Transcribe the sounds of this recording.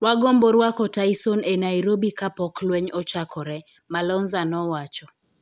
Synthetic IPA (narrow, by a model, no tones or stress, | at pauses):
waɡomboɾwakɔtaisɔnenaiɾobikapɔklwɛɲɔt͡ʃakʰɔɾɛ | malɔnzanɔwat͡ʃɔ